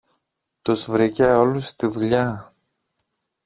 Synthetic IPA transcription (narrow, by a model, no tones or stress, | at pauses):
t̪uzvɾiceo̞lust̪iðuʎɐ